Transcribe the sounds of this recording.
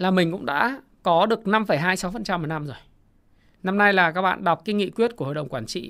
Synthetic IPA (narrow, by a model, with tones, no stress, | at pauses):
laː˨˩mï˨˩ŋ̟kʊ̰˧˥ŋ͡mɗa̰ː˧˥ | kɔ˨˦ɗɨ˨˩ək̚na˧mfə˧˩jɦaː˧jsa˨˦wfə˨˩nt͡ɕa˧mːu˨˩na˧mzo˨˩j | na˧mna˧jlaː˨˩ka˦˥k̚ɓa̰ː˧˨nɗa˨˩wk͡p̚kːa˧˨˦ŋḭ˧˨kwi˦˥ət̚ku˧˩əo̰˧˨jɗə˨˩wŋ͡mkwaː˧˩nt͡ɕḭ˧˨